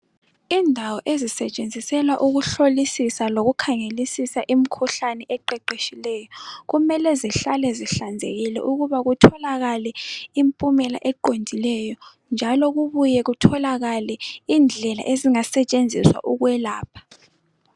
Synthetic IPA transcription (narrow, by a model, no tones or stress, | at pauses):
indʱawɔʔezisɛt͡ʃʼend͡zʱisɛlwaʔuɣuɬolisisaloɣukʰaŋelisisaʔim̩kʰuɬanɛʔɛǃɛǃeʃilɛjɔɣumɛlɛziɬalɛziɬand͡zʱḛɣilɛ̰ʔuɣuβaɣutʰɔlaɣalɛimpʼumɛla̰ʔɛǃondʱilɛjɔ | nd͡ʒʱalɔɣuβujɛɣutʰɔlaɣalɛiːnd͡ɮʱɛla̰ʔeziŋasɛt͡ʃʼend͡zʱiswa̰ʔuɣwɛlaːpʰḁ